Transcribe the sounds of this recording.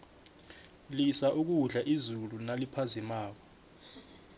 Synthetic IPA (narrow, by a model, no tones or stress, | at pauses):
lisaʔuk̬uɮaʔizulunalipʰazimaːk̬ɔ̥